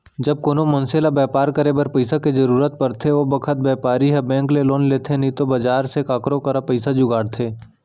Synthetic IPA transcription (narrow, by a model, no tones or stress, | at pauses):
d͡ʒɐb̚koːnomɐnseːlabɛːpaːɾkəɾebɐɾpɐɪsaked͡ʒɐɾuːɾət̪̚pɐɾt̪ʰeʋobɐkʰət̪̚bɛːpaːɾiɦɛbɛ̃ːŋkleloːnleːt̪ʰenĩt̪obɐd͡ʒaːɾsekaːkɾõkəɾapəɪsad͡ʒʊɡaːɽt̪ʰeː